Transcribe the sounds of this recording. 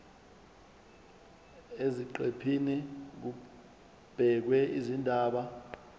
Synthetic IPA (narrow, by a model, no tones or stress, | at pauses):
eziǃepʰinik̬u | b̥ʱɛk̬wɛizindʱaːɓa